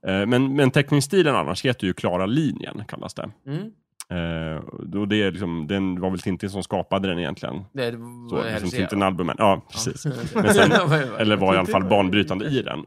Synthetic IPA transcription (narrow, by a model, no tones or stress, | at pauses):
mɛnmɛnt̪ʰɛknɪŋst̪iːləna̰nːʔa̰ʂheːt̪ɛjɵkʰlɑːɾaliːnjə̰ɳkʰa̰lːa̰sd̪ɛ̰ | ɔd̪ɛlɪksɔmd̪ɛnd̪ɛvaɾvɛlt̪ʰɪnt̪ɪns̬ɔmskɑːpad̪əd̪ɛnɪjɛ̰nt̪lɪɡə̰nso̰ːfɪnsɪnt̪ːɪnalbɵmːɛ̰nʔɑːpʰɾɛsḭːsɛnsɛnɛlːəɾvaɾɪalːafalːbɑːɳbɾyːt̪and̪əɪd̪ɛ̰n